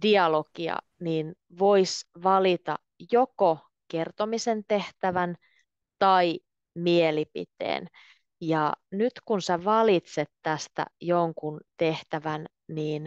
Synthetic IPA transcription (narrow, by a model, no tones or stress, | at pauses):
d̥iɑloɡ̥iɑ̰ | niːn | ʋoisʋɑlit̪ɑ̰ | joko | kert̪omisent̪eht̪æʋæn | t̪ɑi | mielipḭt̪ḛːn | jɑnyt̪kunsæʋɑlit̪set̪tæst̪æ̰joŋkunt̪eht̪æʋæn | niːn